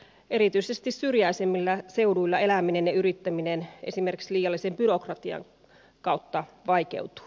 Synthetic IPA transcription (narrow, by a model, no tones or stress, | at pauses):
e̞ɾit̪yisest̪issyrjæisemːilːæse̞uduilːɑe̞læmine̞njɑyɾit̪ːæminene̞̰sime̞rki̥ksliːjɑlːisembyɾo̞krɑt̪iɑ̰ŋ | kɑut̪ːɑʋɑjke̞̰ut̪u̥